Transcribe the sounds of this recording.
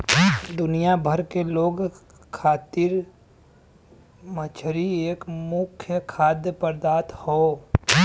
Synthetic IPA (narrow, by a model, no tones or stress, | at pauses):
d̪ʊnijabʱəɾkeloːɡ | kʰaːt̪ɪɾ | mət͡ʃʰɾieːkmʊkʰjəkʰaːd̪jəpəɾd̪aːt̪hoː